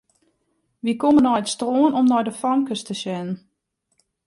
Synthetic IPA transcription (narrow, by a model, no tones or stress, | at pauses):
ʋikomənɔjətstroːənɔmnɔjdəfɔŋkəstəsɛnən